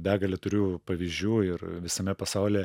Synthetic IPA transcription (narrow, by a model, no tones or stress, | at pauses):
bʲæːɡɐlʲɛt̪ʊɾʲupɐʋʲiːzʲd͡ʒʲuːɪrʋʲɪsɐmʲɛpɐsɐʊlʲeː